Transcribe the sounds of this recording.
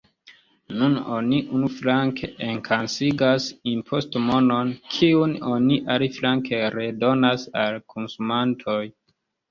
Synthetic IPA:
nunoniʔunuflaŋkʰeʔeŋkʰansiɡasimpʰo̞stmo̞no̞nkʰiuno̞niʔaliflaŋke̞ɾe̞do̞nasalkʰonsumantʰo̞j

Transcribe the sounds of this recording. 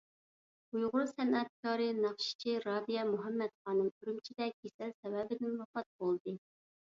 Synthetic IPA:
ujʁʊɾsɛnɛt̪̚kɑːɾɨnɑχʃi̥t͡ʃʰiɾɑːd̪ijɑmuɦɛmːɛt̪χɑːnɨmyɾymt͡ʃʰid̪ɛɡ̥ʲesɛlsɛwɛbɪd̪ɪnwɑfɑt̪̚bolˠd̪ɨ

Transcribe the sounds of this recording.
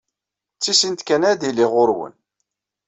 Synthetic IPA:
t͡sːisint̪kænæðiliʁʊɾwə̰n

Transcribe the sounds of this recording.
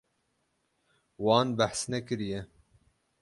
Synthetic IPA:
wɑːnbæħsnɛkɨɾijɛ

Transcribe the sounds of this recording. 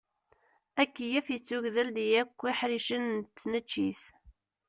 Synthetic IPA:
ækːijæfjət͡sːuʝðæld̪ijækʷːiħɾiʃənt̪ːnət͡ʃːiθ

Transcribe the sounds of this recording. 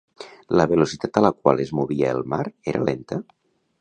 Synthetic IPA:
ləβ̞elosit̪at̪ələkwa̰lezmuβiəelˠmaɾeɾʔa̰lent̪ə

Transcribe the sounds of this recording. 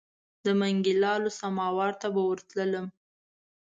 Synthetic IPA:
d̪əmaŋɡɪlɑlosamɑwɑɾt̪abawəɾt̪lələm

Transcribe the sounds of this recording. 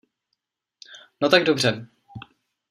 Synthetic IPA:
not̪aɡdobr̝ɛ

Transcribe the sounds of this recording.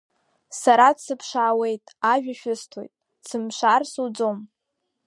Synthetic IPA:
saɾadsɨpʰʂaːwe̞jtʼaʒᶣaʃᶣʊstʰojtʼ | sɨmʂʷarsud͡zom

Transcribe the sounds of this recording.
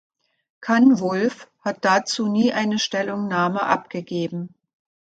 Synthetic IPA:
kʰanvʊlfhat̚d̥at͡suːniːʔaɪnəʃtɛlʊŋnaːməʔa̰p̚ɡ̥əɡeːbm̩

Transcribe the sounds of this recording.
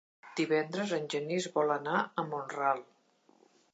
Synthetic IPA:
d̪̥iβɛnd̪ɾəzənʲʒənizβɔlənaəmonralˠ

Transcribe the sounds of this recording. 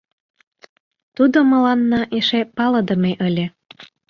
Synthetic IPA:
t̪ud̪omə̆lɑnːɑʔeʃepɑləd̪əmeʔəlʲe

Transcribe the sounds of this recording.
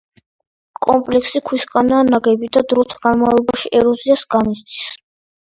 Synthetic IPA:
kʼɔmpʼlɛksikʰwiskʼanaːnaɡɛbid̪ad̪ɾɔt̪ʰɡanmavlˠɔbaʃiʔɛɾɔziasɡamist̪i̥s

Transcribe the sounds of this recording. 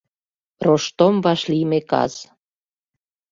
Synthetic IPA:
roʃt̪omβɑʃlimekɑ̰z̥

